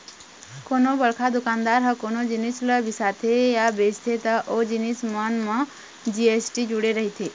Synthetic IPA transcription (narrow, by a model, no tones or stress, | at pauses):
konobəɭkʰad̪ʊkaːnd̪aɾɦəkonod͡ʒinisləbisat̪ʰejabeːd͡ʒt̪ʰet̪əʔod͡ʒinismənmə̃ | d͡ʒiesʈid͡ʒuɽeɾəɦit̪ʰe